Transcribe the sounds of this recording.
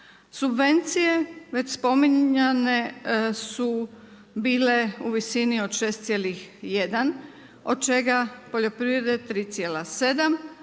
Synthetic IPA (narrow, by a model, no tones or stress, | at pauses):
subʋe̞nt̪sije̞ʋe̞t͡ɕspo̞miɲanesu | biːle̞uʋisinio̞d̪ʃe̞ːst̪sjeːlixjed̪an | o̞d̪̚t͡ʃe̞ɡapo̞ʎo̞pɾiʋɾed̪e̞t̪ɾiːt̪sje̞ːlase̞d̪am